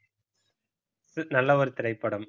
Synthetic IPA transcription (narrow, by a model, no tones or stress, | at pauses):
sɨnɐlːɐɔɾɯt̪ɪɾɐɪpːɐɽɐm